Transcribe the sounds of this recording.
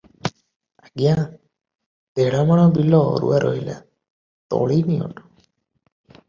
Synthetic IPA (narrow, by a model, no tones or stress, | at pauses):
aɡjã | d̪eɽamaɽ̃ɔbilɔ̰ɾṵaɾʔɔ̰ɦila̰ | t̪ɔ̰ɭiniɔ̰ʈu̥